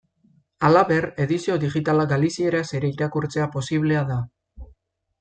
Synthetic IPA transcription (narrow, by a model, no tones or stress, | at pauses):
alaβe̞re̞ðisio̞ðiɣit̪alaɡalisie̞ɾaseɾe̞iɾakuɾt͡se̞apo̞siβle̞aða